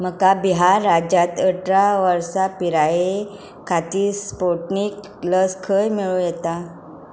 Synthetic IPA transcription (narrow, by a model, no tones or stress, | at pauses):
məkabiɦaɾːad͡ʑat̪əʈɾaʋəɾsapiɾaje | kʰat̪iːspoʈnik | ləskʰəjmiɭũjɛt̪a